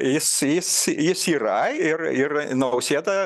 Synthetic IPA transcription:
jɪsjɪsjɪsiːrɐɪrɪrnɐʊsʲeːd̪ɐ

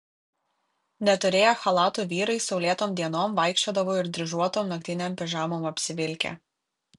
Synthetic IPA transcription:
nʲɛt̪ʊɾʲeːjoːxɐlˠɑːt̪uːʋʲiːɾɐɪsɒʊlʲiɛt̪oːmd̪ʲiɛnoːmʋɐˑɪkʃʲt͡ʃʲoːd̪ɐʋoːɪɾd̪ʲɾʲɪʒuɔt̪oːmnɐk̚t̪ʲɪnʲeːmʲpʲɪʒɑːmoːmɐpʲsʲɪʋʲɪlʲkʲḛː

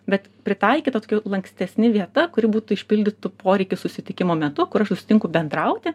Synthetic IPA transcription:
bʲɛt̪pʲɾʲɪt̪ɐɪkʲiːt̪ɐt̪oːkʲɛlˠɐŋksʲt̪ʲɛsʲnʲɪʋʲiɛt̪ɐkʊɾʲɪbuːt̪ʊɪʃʲpʲɪlʲd̪ʲɪt̪ʊpoːɾʲɛɪkʲʊsʊsʲɪt̪ʲɪkʲɪmoːmʲɛt̪ʊkʊɾɐʃsʊsʲɪ̥t̪ʲɪŋkʊbʲɛnd̪ɾɐʊt̪ʲɪ

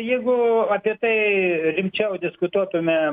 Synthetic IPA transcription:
jɛɪɡʊɐpʲiɛt̪ɐɪɾʲɪmʲt͡ʃʲɛʊd̪ʲɪskʊt̪uɔt̪ʊmʲɛ

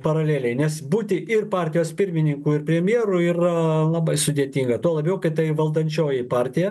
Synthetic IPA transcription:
pɐɾɐlʲeːlʲɛɪnʲɛsbuːt̪ʲɪʔɪrpɑːɾʲt̪ʲɪjoːspʲɪɾʲmʲɪnʲɪŋkuːɪrpʲɾʲɛmʲjeɛɾʊɪrɐlˠɐbɐɪsʊd̪ʲeɛt̪ʲiŋɡɐt̪uɔlˠɐbʲɛʊkɐɪt̪ɐɪʋɐlˠd̪ɐnʲt͡ʃʲoːjɪpɑːɾʲt̪ʲɪjɛ

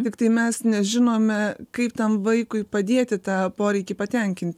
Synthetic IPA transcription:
t̪ʲɪkt̪ɐɪmʲɛsnʲɛʒʲɪnoːmʲɛkɐɪpt̪ɐmʋɐɪkʊɪpɐd̪ʲeɛt̪ʲɪt̪ɑːpoːɾʲɛɪkʲɪpɐt̪ʲɛŋʲkʲɪnʲt̪ʲ

